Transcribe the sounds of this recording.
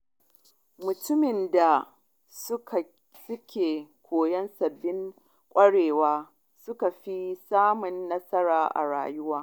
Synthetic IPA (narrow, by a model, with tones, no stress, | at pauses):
mʊ˨tʊ˦mɪ˨nda˨ | s | sʊ˦kʲʰeː˨kʷʰoː˨jɐ˦nsɐ˨bːɪ˦ŋ | kʷʼɐ˦ɽeː˨waː˦ | sʊ˦ka˨ɸi˦saː˦mʊ˨nːɐ˦sɐ˦ɾaː˨ʔa̰˨ɽa̰ː˨jʊ˦waː˦